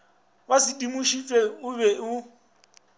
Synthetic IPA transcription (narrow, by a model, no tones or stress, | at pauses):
βasidimuʃifʼɛʊβɛu